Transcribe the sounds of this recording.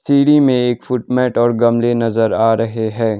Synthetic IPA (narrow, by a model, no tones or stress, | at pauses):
siːɽimẽeːkfʊʈmɛːʈɔːɾɡɐmlenɐzəɾaːɾɐɦeɦɛ̃ː